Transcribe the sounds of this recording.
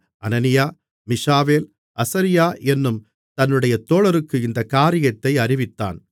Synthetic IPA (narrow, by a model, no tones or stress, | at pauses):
ʔɐnɐnɪjaː | mɪʂaːʋeːl | ʔɐsɐɾɪjaːɛnːɯm | t̪ɐnːɯɽɐjɐt̪oːɭɐɾɯkːɯɪnd̪ɐkːaːɾɪjɐt̪ːɐɪɐɾɪʋɪt̪ːa̰ːn